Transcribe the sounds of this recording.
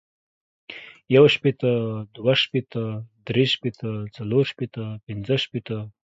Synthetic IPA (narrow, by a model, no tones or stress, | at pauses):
jawʃpet̪əd̪waʃpet̪əd̪ɾeʃpet̪ət͡saloɾʃpet̪əpɪnd͡zəʃpet̪ə